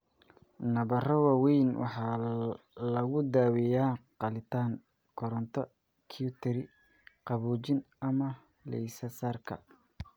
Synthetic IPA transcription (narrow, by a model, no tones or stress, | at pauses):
nɐβɐrɔwawɛjnwɑ̰ħɑː | lɐɣʊd̪aːwijaːqɑlɪt̪ʰaːŋ | kʰɔɾɔnt̪ʰɔ | kʰijʊt̪ʰɛɾɪ | qɑβuːt͡ʃɪn | ɐmɐ | lɛ̰jsɐsaːrkʰɐ̰